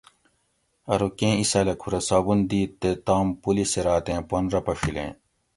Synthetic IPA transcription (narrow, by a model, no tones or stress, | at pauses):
ɐɾukẽːisɐlɐkʰuɾɐsaːbund̪iːt̪ːet̪aːmpuliseɾaːt̪ẽːpɐnɾɐpɐfilḛ̃ː